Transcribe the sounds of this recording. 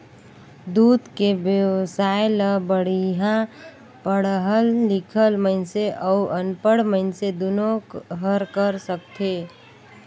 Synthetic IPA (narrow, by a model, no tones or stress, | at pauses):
d̪uːd̪kebjəwsaeləbəɽ̤iɦã | pəɽɦəlːɪkʰəlməɪnseʔəuʔənpəɽməɪnsed̪onokɦəɾkəɾsəkt̪ʰe